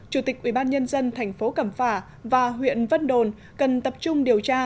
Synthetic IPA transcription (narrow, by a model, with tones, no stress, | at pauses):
t͡ɕu˧˩t̪ï˨˩k̚ʔi˧˩ɓaː˧nɲə˧nzə˧nt̪ʰɛ˨˩jŋ̟fo˨˦kə˧˩mfaː˧˩ | vaː˨˩ɦwḭ˧˨ənvə˧nɗo˨˩n | kə˨˩nt̪ə˨˩p̚t͡ɕʊ˧ŋ͡mɗi˨˩əwt͡ɕaː˧